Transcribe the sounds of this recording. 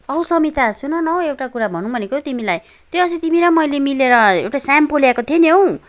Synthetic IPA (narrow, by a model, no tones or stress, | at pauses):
ʌusʌmit̪asunʌnʌɦoewʈakuɾabʱʌnũbʱʌnekot̪imilaj | t̪joʌsit̪imiɾʌmʌjlemileɾʌḛwʈasampolakot̪ʰjeniɦow̃